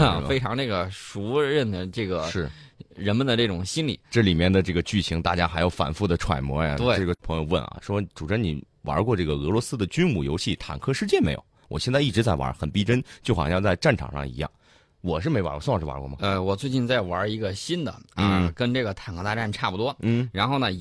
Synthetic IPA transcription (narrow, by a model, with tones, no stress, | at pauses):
fe˥ɪʈ͡ʂʰɑ˧˥ŋʈ͡ʂɤ˥˩ɡə˩ʂu˧˥ɻə˥˩nd̪ə˩ʈ͡ʂɤ˥˩ɡə˩ʂɻ̩˥˩ɻə˧˥nmə˨˧nd̪ə˩ʈ͡ʂɤ˥˩ʈ͡ʂʊ˨˩ŋɕi˥nlḭ˨˩˦ʈ͡ʂɤ˥˩li˨˩mjɛ˥˩nd̪ə˩ʈ͡ʂɤ˥˩ɡə˩t͡ɕy˥˩ɕʰi˧˥ŋt̪a˥˩t͡ɕja˥xa˧˥ɪjo˧˩ʊfa̰˨˩nfu˥˩d̪ə˩ʈ͡ʂʰwa̰˨˩ɪmwɔ̰˧˥ja̰˨˧t̪we˥˧ʈ͡ʂɤ˥˩ɡə˩pʰɤ˧˥ŋjo˧ʊwə̰˥˩nɐ̰˩ʂwɔ˥ʈ͡ʂu˨˩ʈ͡ʂə˥nni˨˩ | wɐ̰˧˥kwɔ˥˧ʈ͡ʂɤ˥˩ɡə˩ɤ˧˥lwɔ˧˥sɹ̩˥d̪ə˨t͡ɕy˥nmu˨˩jo˧˥ʊɕi˥˩t̪ʰa̰˨˩nkʰɤ˥ʂɻ̩˥˧t͡ɕjɛ˥˩nme˧˥ɪjo̰˨˧˩ʊwɔ̰˨˩ɕjɛ˥˧nt͡sa˥˧i˥˩ʈ͡ʂɻ̩˧˥t͡sa˥˩ɪwa̰˧˥xə˨˩npi˥ʈ͡ʂə˥nt͡ɕjo˥˩ʊxɑ̰˨˩ɕjɑ˥˧ŋt͡sa˥˧ɪʈ͡ʂa˥˩nʈ͡ʂʰɑ̰˨˩ŋʂɑ̰˥˧ŋḭ˧˥jɑ̰˥˩ŋ | wɔ˨˩ʂɻ̩˥˩e˧˥˧a̰˧˥ɔ˧swŋʂɻ̩˥˩wa̰˧˥kwɔ̰˥˩mɐ̰˨˩ə˧wɔ˨˩t͡swe˥˧ɪt͡ɕi˥˧nt͡sa˥˩ɪwɐ˧˥i˧˥ɡə˧ɕi˥nd̪ə̰˨˧kə˥nʈ͡ʂɤ˥˩ɡə˩t̪ʰa˨˩nkʰɤ˥t̪a˥˧ʈ͡ʂa˥˩nʈ͡ʂʰa˥˩pu˧˩t̪wɔ˥n̩˥˩ɻa˧˥nxo˥˩ʊnə˩